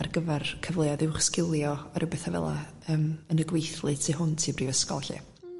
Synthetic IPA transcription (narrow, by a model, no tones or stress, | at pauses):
arɡəvɛrkʰəvlˠeaðɪwχskɪlˠjɔɔɾɪwbɛθavɛ̰lˠa̰ | əːmənəɡwejθlˠɨtʰiɦʊntʰiːbrivəskɔ̰lˠɬɪ̰